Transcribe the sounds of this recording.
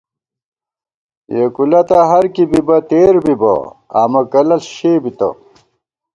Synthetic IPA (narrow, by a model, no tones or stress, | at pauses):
jekulɐt̪ɐɦɐɾkibibɐt̪eːɾbibɐ̰a̰mɐkɐlɐlɕeːbit̪ɐ̰